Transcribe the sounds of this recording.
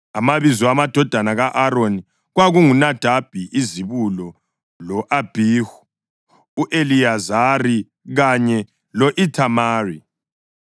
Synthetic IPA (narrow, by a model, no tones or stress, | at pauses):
amaβizɔamad̥ʱɔd̥ʱanaɣaʔaɾoni | ɣwaɣuŋunad̥ʱab̥ʱiʔiziβulɔ | lɔʔab̥ʱihuː | ʔeliazari | ɣaɲɛ | lɔʔitʰamaːri